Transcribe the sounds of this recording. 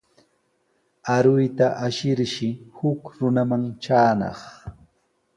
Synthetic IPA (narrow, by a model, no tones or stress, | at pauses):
aɾʊjt̪aʔaʃɪɾʃɪhʊkɾʊnamaŋt͡ʃaːnɑ̰χ